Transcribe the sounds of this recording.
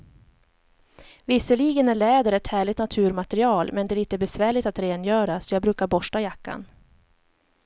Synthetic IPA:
vɪsːəɭiːɡənæɭɛːd̪əɾɛt̪hæːɭɪt̪nat̪ʰʉ̟ːɾmat̪ɛɾɪɑːlmɛnd̪ɛæliːt̪əbɛsvæːɭɪt̪at̪ɾeːnjœːɾasɔjɑːɡ̚bɾʉ̟ːkaɾbɔʂʈajakːa̰n

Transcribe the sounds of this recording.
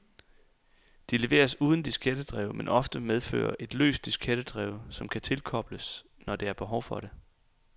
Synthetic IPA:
d̥ile̝ʋe̝̰ːɐsuːð̞ˠn̩d̥isɡ̥ed̥əd̥ʁɛ̰ʊmenʔɒ̽fd̥əmeð̞ˠfø̰ːɐʔe̝d̥lø̰ːsd̥isɡ̥ʰed̥əd̥ʁɛːʊsɒ̽mkʰæt͡sʰe̝lkʰɒ̽b̥ləs | nɒd̥e̝æɐb̥e̝ɦɒʊfɒ̽ɾ̥e̝

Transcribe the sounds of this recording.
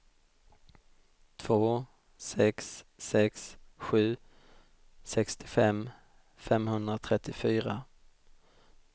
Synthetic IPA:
t̪ʰv̥oː | sɛksːɛksɧʉ̟ː | sɛkst̪ʰɪ̥fɛm | fɛmhɵnd̪ɾat̪ʰɾɛt̪ʰːɪfyːɾa

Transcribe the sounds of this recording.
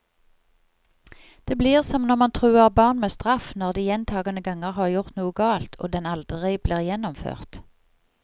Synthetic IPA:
d̪̥eːbliːʁsɔmnɔʁmɑnt̪ʰʁʉːəʁbɑːʁnmeːst̪ʁɑfnɔʁd̪iːjɛnt̪ʰɑːɡənəɡɑŋəʁhɑːʁjʊʁt̪nuːəɡɑːlt̪ʰʔo̰ːd̪ɛnɑld̪ʁɪbliːʁjɛnɔmfø̰ːʁt̪

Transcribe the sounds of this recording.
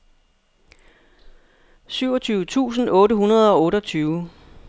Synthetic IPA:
syʊɒ̽t͡sʰyːʊət͡sʰṵːs̬n̩ɔ̽ːɾəhunɐð̞ˠɒ̽ɔ̽ːɾɒt͡sʰyːʊ

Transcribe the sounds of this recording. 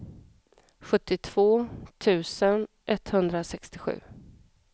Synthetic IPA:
ɧɵt̪ːɪt̪ʰv̥oːt̪ʰʉ̟ːsən | ʔɛt̪ːhɵnd̪ɾasɛkst̪ɪɧʉ̟̰ː

